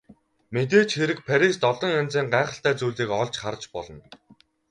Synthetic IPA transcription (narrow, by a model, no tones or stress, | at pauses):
met̪̬eːt͡ɕxeɾɘ̆k̚pʰæɾʲist̪ɔɮɞ̆ŋant͡siːɴɢaːχə̆ɬt̪æːt͡suːɮiːkɔɮt͡ɕχart͡ɕpɔɮɞ̆n